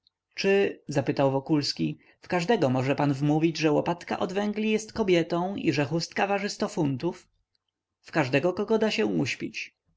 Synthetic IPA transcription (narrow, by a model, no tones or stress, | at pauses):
t͡ʂɘzapɘt̪awvɔkulskʲi | fkaʐd̪ɛɡɔmɔʐɛpanvmuvʲid͡ʑʐɛwɔpat̪ka̰ʔɔd̪vɛŋɡlʲijɛst̪kɔbʲjɛt̪ɔ̃w̃ḭʐɛxust̪̚kavaʐɘst̪ɔfunt̪uf | fkaʐd̪ɛɡɔkɔɡɔd̪aɕɛ̃uɕpʲit͡ɕ